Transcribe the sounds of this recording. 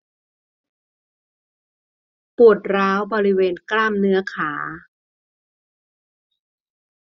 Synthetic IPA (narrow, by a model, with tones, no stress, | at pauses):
pu˨˩ət̪̚ɾaː˦˥wbɔː˧ɾi˦˥weː˧nklaː˥˩mnɯ˦˥ɐkʰaː˩˦